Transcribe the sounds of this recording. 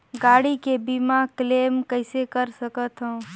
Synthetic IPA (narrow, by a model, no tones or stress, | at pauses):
ɡaːɽikebiːmakleːmkəɪsekəɾsəkət̪ɦõː